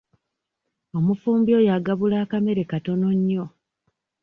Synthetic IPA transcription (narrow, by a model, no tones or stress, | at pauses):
o̞mufuːmbjo̞ːjaɡaβulaːkame̞ɾe̞kato̞no̞ɲːo̞